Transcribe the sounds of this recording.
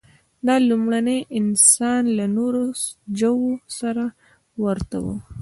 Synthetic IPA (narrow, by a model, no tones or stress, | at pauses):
d̪ɑlumɽanəjʔɪnsɑnlanoɾod͡ʒawosaɾa | wəɾt̪a̰wə̰